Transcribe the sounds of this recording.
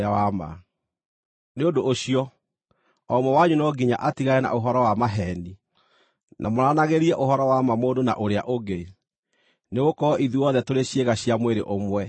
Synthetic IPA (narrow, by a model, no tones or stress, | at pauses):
awama̰ | neodoːɕiɔ | ɔmwɔwaɲunɔɡiɲa̰ʔatiɣaɛna̰oɦɔɾɔwamaɦɛni | nʔamoɾanaɣeɾiɛʔoɦɔɾɔwamamoːndona̰ʔoɾeaʔoɡe | neɣokɔɔʔiðuɔðɛtoɾeɕjeɣaɕijamweɾḛʔomwɛ